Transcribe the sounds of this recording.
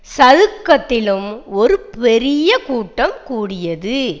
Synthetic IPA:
sɐðɯkːɐt̪ːɪlɯmɔɾɯpɛɾɪjɐkuːʈːɐmkuːɽɪjɐðɯ

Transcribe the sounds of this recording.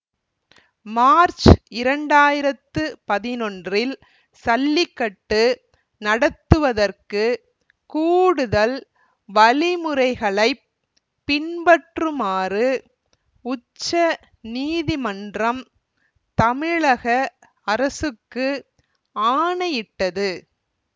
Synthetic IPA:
maːɾt͡ʃɪɾɐɳɖaːjɪɾɐt̪ːɯpɐðɪnɔndrɪl | sɐlːɪkːɐʈːɯ | nɐɽɐt̪ːɯʋɐðɐrkɯ | kuːɽɯðɐl | ʋɐlɪmɯɾɐɪɣɐɭɐɪː | ɪnbɐʈrɯmaːɾɯ | ʊt͡ʃːɐ | niːðimɐndrɐm | t̪ɐmɪɭɐɣɐ | ɐɾɐsɯkːɯ | aːɳɐjɪʈːɐðɯ

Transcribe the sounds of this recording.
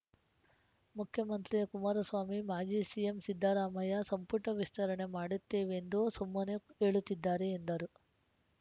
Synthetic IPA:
mukʰjɐmɐnt̪ɾiɐkumaːɾɐsʋaːmimaːd͡ʒiːsijemsid̪ʱːaːɾaːmɐjɐsɐmpuʈɐʋist̪ɐɾɐɳe̞maːɽut̪ːe̞ːʋend̪usumːɐnee̞ːɭut̪ːid̪ːaːɾeːnd̪ɐɾu

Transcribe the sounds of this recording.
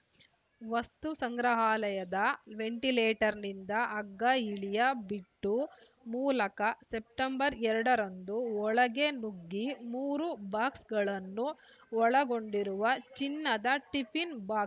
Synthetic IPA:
ʋɐst̪usɐŋɡɾɐɦaːlɐjɐd̪ɐʋe̞ɳʈileːʈɐɾnind̪ɐɐɡːɐiɭijɐbiʈːu | muːlɐkɐsep̚ʈɐmbɐɾɛɾɐɽɐɾond̪uɔɭɐɡe̞nuɡːimuːɾubaːksɡɐɭɐnːu | ɔɭɐɡo̞ɳɖiɾuʋɐt͡ʃinːɐd̪ɐʈipʰinbaːk

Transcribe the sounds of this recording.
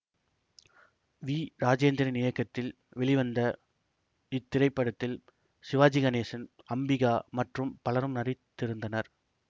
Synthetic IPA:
ʋiːɾaːd͡ʒeːnd̪ɪɾɐnɪjɐkːɐt̪ːɪl | ʋɛɭɪʋɐnd̪ɐ | ɪt̪ːɪɾɐɪpːɐɽɐt̪ːɪl | sɪʋaːd͡ʒɪɣɐneːsɐn | ɐmbɪɣaːmɐʈrɯmpɐlɐɾɯmnɐrɪt̪ːɪɾɯnd̪ɐnɐɾ

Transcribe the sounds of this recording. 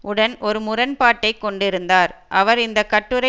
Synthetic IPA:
ʔʊɽɐnɔɾɯmʊɾɐnpaːʈːɐɪkːɔɳɖɪɾɯnd̪aːɾʔɐʋɐɾɪnd̪ɐkːɐʈːɯɾɐ

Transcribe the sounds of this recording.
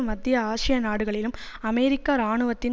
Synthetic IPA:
mɐd̪ːɪjɐaːʂɪjɐnaːɽɯɣɐɭɪlɯmɐmɛjɾɪkːaɾaːɳɯʋɐt̪ːɪn

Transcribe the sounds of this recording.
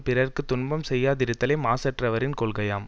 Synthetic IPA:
pɪɾɐrkɯt̪ːʊɳbɐmsɛjːaːðɪɾɯt̪ːɐleːmaːsɐʈrɐʋɐɾɪnkɔɭɣɐjaːm

